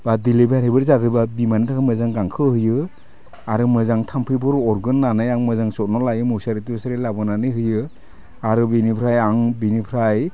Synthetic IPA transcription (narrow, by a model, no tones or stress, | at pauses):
badilibaɾebɯɾzatɯbabimantʰakʰamɯzaŋɡaŋkʰɯhɯjɯ | aɾɯmɯzaŋtʰampʰɯjbɔɾɔɾɡɯnːanajaŋmɯzaŋsɔt̚nɔlajɯmusaɾitibɔsaɾelabɯnanɯjɦɯjɯ | aɾɯbinipʰɾajaŋbinipʰɾaj